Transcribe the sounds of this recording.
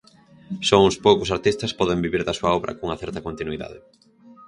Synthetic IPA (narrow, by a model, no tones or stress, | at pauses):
sɔʊ̃spowkʊsaɾt̪ist̪ɐspɔðeŋbiβiɾðɐsuɐɔβɾʔɐ̰kouŋɐθɛɾt̪ɐkont̪inwiða̰ðɪ